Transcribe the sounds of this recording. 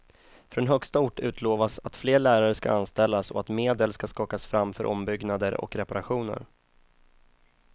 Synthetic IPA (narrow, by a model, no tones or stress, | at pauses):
fɾɔnɦœkst̪aʊʈːʉ̟ːt̪ʰloːvasat̪fleːɭæːɾaɾəska̰anst̪ɛlːasɔat̪meːd̪əlskaskɑːkasfɾamːfœɾʔɔmbʏɡnad̪əɾɔ̰kɾɛpaɾaɧuːnə̰ɾ